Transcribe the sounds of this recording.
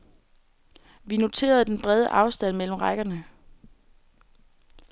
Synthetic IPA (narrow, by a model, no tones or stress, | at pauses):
ʋino̝t͡sʰe̝̰ːɐð̞̩ˠd̥enb̥ʁɛð̞ˠəʔɑ̈ʊsd̥æn̰mel̰m̩ʁɑɡ̥ɐnə